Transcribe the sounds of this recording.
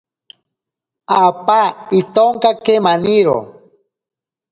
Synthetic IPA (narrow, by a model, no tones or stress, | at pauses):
apait̪oŋkakemaniɾo̰